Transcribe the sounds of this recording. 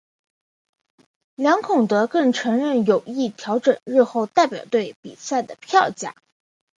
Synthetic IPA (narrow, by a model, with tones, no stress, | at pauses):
ljɑ˧˥ŋkʰʊ˨˩ŋt̪ɤ˧˥kɤ˥˩ŋʈ͡ʂʰɤ˧˥ŋɻə˥˩njo˨˩ʊi˥˩t̪ʰjɑ˧˥ʊʈ͡ʂə˨˩nɻ̩˥˧xo˥˧ʊt̪a˥˩ɪpjɑ˨˩ʊt̪we˥˩ɪpḭ˨˩sa˥˩ɪd̪ə˩pʰjɑ˥˧ʊt͡ɕja̰˥˩˦